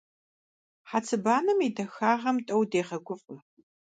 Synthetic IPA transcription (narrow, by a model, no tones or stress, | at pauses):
ħat͡sʰɨbaːnɨmidɐxaːʁɐmtʼɐwdeːʁɐɡʷʊfʼʊ